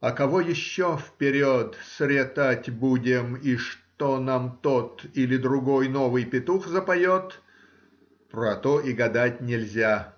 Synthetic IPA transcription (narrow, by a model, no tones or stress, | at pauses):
ɐkɐvojɪɕːofpʲɪɾʲot̪sʲɾʲet̪atʲbudʲɪmiʂt̪onamt̪ot̪ilʲɪd̪ɾʊɡo̞jnovɨjpʲɪt̪uxzəpɐjot̪ | pɾɐt̪oʔɪɡɐd̪atʲnʲɪlʲzʲa